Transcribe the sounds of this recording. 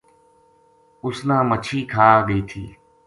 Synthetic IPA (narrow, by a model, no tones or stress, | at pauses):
ʊsnãːmət͡ʃʰiːkʰaːɡəiːt̪ʰiː